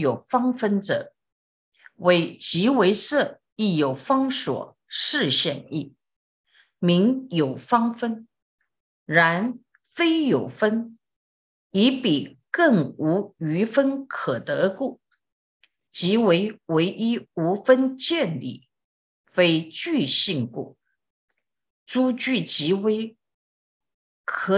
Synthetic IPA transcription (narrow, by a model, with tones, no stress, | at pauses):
jo˨˩ʊfɑ˥ŋfə˥nʈ͡ʂɤ̰˨˩˦ | we˧˩ɪt͡ɕi˧˥we˧˥ɪʂɤ˥˩ | i˥˩jo˨˩ʊfɑ˥ŋʂwɔ̰˨˩ | ʂɻ̩˥˧ɕjɛ˥˧ni˥˩ | mi˧˥ŋjo˨˩ʊfɑ˥ŋfə˥n | ɻa˧˥n | fe˥ɪjo˨˩ʊfə˥n | i˧˥pi˨˩kɤ˥˩ŋu˧˥y˧˥fə˥nkʰɤ˨˩t̪ɤ˧˥ku˥˩ | t͡ɕi˧˥we˧˥ɪwe˧˥ɪʔi˥u˧˥fə˥nt͡ɕjɛ˥˧nlḭ˥˩ | fe˥ɪt͡ɕy˥˧ɕi˥˧ŋkṵ˥˩ | t͡su˥t͡ɕy˥˩t͡ɕi˧˥we˥ɪ | kʰɤ˧˥